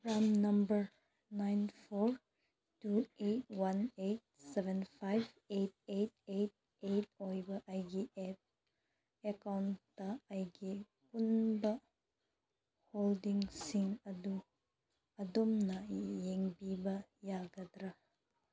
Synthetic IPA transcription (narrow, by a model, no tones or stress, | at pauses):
pɾamnɐmbɐɾ | najnpʰoɾ | tuet̚wanet̚sebʱenpʰajb | et̚et̚et̚ | et̚ojbɐʔːjɡiʔep̚ | ekawntːɐːjɡi | punbɐ | holdiŋsiŋɐdu | ɐdomnɐjeŋbibɐjaɡɐd̪ɾɐ